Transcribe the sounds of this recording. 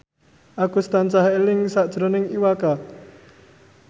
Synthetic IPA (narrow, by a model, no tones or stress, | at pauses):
ʔakust̪ant͡ʃahelɪŋsaʔd̥ʒ̥ɾonɪŋiwaka